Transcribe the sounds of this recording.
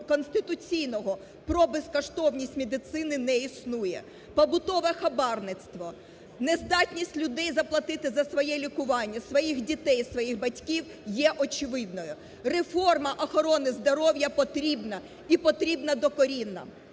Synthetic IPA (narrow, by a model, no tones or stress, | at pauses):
kɔnst̪ɪt̪ʊt͡sʲijnɔɦɔ | pɾɔbeskɔʃt̪ɔwnʲisʲtʲmed̪ɪt̪sɪnɪnɛisnujɛ̰ | pɔbʊt̪ɔʋɛxɐbɑrnɪt̪st̪ʋɔ | nezd̪ɑtʲnʲisʲtʲlʲʊd̪ɛjzɐplˠɐt̪ɪt̪ɪzɐsʋɔjɛlʲikʊʋɑnʲːɐsʋɔjixdʲit̪ɛjsʋɔjixbɐtʲkʲiw | jɛʔɔt͡ʃɪʋɪd̪nɔjʊ | refɔrmɐʔɔxɔɾɔnɪzd̪ɔɾɔwjɐpɔt̪ɾʲibnɐ | ipɔt̪ɾʲibnɐd̪ɔkɔɾʲinːɐ̰